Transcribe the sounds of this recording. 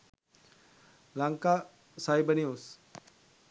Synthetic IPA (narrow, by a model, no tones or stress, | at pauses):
laŋka | sajbənius